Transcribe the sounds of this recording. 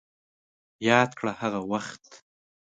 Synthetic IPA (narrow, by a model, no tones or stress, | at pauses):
jɑd̪̚kɽahaɣawaxt̪